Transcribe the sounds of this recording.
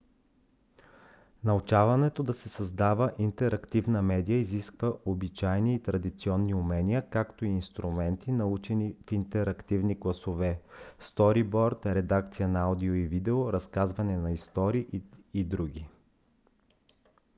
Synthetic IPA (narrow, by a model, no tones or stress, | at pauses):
nɐut͡ʃavɐnɛt̪od̪ɐsɛsɐzd̪avəʔint̪ɛɾɐkt̪ivnɐmɛd̪ijəiziskvəʔobit͡ʃajniːt̪ɾɐd̪it̪siɔnːiʊmɛniəkakt̪oiːnst̪ɾumɛnt̪inɐut͡ʃɛnifint̪ɛɾɐkt̪ivniɡlˠɐsovɛst̪ɔɾibɔɾt̪ɾɛd̪ak̚t̪sijənɐad̪ioivid̪ɛoɾɐskazvɐnɛnɐist̪ɔɾiʔːd̪ɾuɡʲi